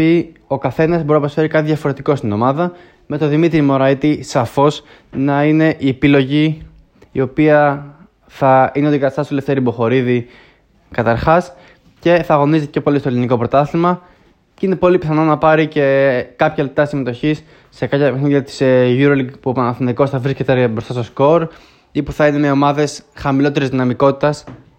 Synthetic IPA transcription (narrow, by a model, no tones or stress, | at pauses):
io̞kɐθe̞nɐzboɾinɐpɾosfe̞ɾikɐt̪iðjɐfo̞ɾe̞t̪iko̞st̪ino̞mɐðɐ | me̞t̪o̞ðimit̪ɾimo̞ɾɐit̪isɐfo̞s | nɐine̞ʔiepilo̞ʝi | io̞piɐ | θɐineoðiɡɐst̪ɐsle̞ft̪eɾibo̞xo̞ɾiði | kɐt̪ɐɾxɐs | ce̞θɐːɣo̞nizit̪copolist̪oliniko̞pɾo̞t̪ɐθimɐ | ceine̞po̞lipiθɐno̞nɐpɐɾice̞kɐpçɐlep̚t̪ɐsime̞t̪o̞çisː | e̞kɐpçɐpexniɐt̪i̥sʝuɾoliɡpuopɐnɐθint̪iko̞sθɐvɾisket̪ebɾo̞st̪ɐst̪o̞sko̞ɾ | ipuθɐine̞meo̞mɐðe̞sxɐmilo̞t̪e̞ɾizðinɐmiko̞t̪i̥t̪ɐs